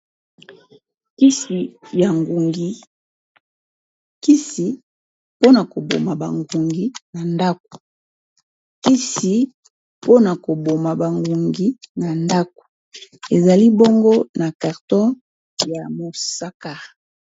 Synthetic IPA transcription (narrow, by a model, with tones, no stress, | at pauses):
ki˦si˨ja˨ŋɡu˨ŋɡi˦ | ki˦si˦ | po˦na˨ko˨bo̰˨ma˨ba̰˨ŋɡu˨ŋɡi˨na˨nda˦k̚o̥˨ | ki˦si˨ | po˦na˨ko˨bo˨ma˨ba˨ŋɡu˨ŋɡi˨na˨nda˦k̚o̥˨ | e˨za˨li˦bo˦ŋɡo˦na˨ka˨ʁtɔ̃˦ | ja˨mo˨sa˦ka˨